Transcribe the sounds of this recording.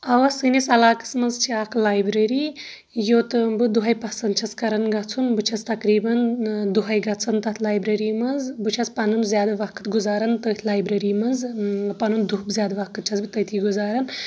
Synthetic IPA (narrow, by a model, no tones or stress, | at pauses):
ɐʋɐsɨnisɐlaːkɨ̥smɐzt͡ʃʰiaːkʰlaːjbɾɐɾiː | jot̪ɨbɨd̪uɦɐjpɐsɐnd̪̚t͡ʃʰɐskɐɾɐnɡɐt͡sʰunbɨt͡ʃʰɐst̪ɐkɾiːbɐnd̪uɦɐjɡɐt͡sʰɐnt̪ɐt̪ʰlaːjbɾɐɾiːmɐzbɨt͡ʃʰɐspɐnɨmzjaːd̪ɐʋɐkɨ̥t̪ɡuzaːɾɐnt̪ɐt̪ʰlaːjbɾɐɾiːmɐzpɐnund̪uɦbzʲjaːd̪ɐʋɐkɨt̪̚t͡ʃʰɐzbɨt̪ɐt̪ʰiɡuzaːɾɐn